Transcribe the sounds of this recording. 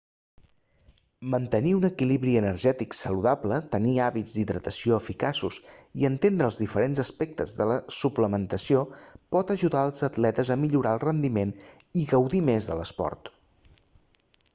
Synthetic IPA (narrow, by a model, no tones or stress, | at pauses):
mənt̪əniunəkiliβɾiənərʒɛt̪iksəluðablət̪əniaβid͡zd̪iðɾət̪əsioəfikasusiənt̪end̪ɾəːlˠzðifəɾenzəspɛk̚t̪əzðələsupləmənt̪əsiopɔt̪əʒuðaəlˠzət̪lɛt̪əzəmiʎuɾaəlˠrənd̪imen | iɣəwðimezðə̰ləspɔ̰ɾt̪